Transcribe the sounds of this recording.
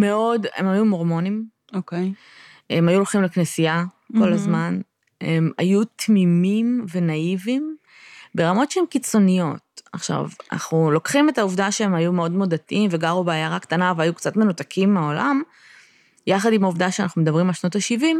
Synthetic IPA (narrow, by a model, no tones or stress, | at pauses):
me̞o̞de̞̰majumoʁmo̞nim | oke | e̞majuloχimleknesija | ko̞lazman | ema̰jut̪mimimve̞naivim | be̞ʁamo̞tʃeemkit͡so̞nijo̞̰t̪̚aχʃa̰va̰na̰χnulo̞kχime̞tauvdaʃeemajumeo̞dmo̞datiimveɡaʁubaːjaʁakt̪anaveajukt͡satme̞nutakʰimːeaolam | jaχadimauvdaʃeanaχnumed̪ɐbʁimalʃno̞taʃivim